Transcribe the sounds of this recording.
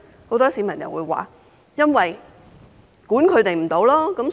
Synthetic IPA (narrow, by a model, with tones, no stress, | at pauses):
ho˨˧˥wt̪ɔː˥siː˨˥mɐ˨˩njɐ˨˩wuː˨˧jwa̰ː˨˩ | jɐ˥nwɐ˨j | kuː˨˥nkʰɵ˨˧ɥt̪e˨˩jm̩˨˩t̪o˨˧wlɔː˥kɐ˨˧˥ms